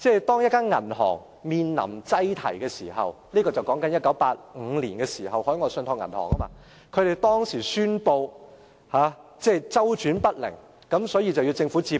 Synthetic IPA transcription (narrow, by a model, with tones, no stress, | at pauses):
t͡sɛ˥t̪ɔː˥ŋjɐ˥t̚kaː˥nŋɐ̰˨˩nhɔ̰ː˨˩ŋ | miː˨nlɐ̰˨˩mt͡sɐ˥jt̪ʰɐ̰˨˩jkɛː˧siː˨˩hɐ̰˨wliː˥kɔː˧t͡sɐ˨wkɔː˨˥ŋkɐ˨˥njɐ˥t̚kːɐ˨˥wpaː˧t̚ŋ̩˨˧liː˨˩nkɛː˧siː˨˩ɦɐ˨whɔː˨˥jŋɔː˨˧˥sœ˧nt̪ʰɔː˧ŋɐ̰˨˩nhɔ̰ː˨˩ŋɐ˥maː˧ | kʰɵ˨˧ɥɾe˨jt̪ɔː˥ŋsiː˨˩syː˥npo˧w | haː˨˧t͡sɛː˥˧t͡sɐ˥wt͡ʃyː˨˥npɐ˥t̚lɪ̰˨˩ŋ | kɐ˨˥msɔː˨˥jiː˧t͡sɐ˨wji˧wt͡sɪ˧ŋfuː˨˥t͡siː˧